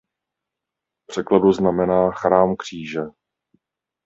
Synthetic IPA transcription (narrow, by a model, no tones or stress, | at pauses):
pr̝̥ɛkladuznamɛnaːxɾaːmkr̝̥iːʒɛ